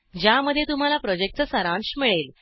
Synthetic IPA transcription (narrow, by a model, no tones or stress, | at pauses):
d͡ʑjaməd̪ʱjet̪um̤alapɾɔd͡ʑek̚ʈ̚t͡səsəɾãnsmiɭel